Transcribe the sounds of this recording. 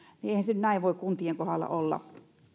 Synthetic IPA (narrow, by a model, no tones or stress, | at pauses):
nieihænsenyt̪næˑiʋʋoˑikkunt̪ieŋkohɑlːɑ̰olːɑ̰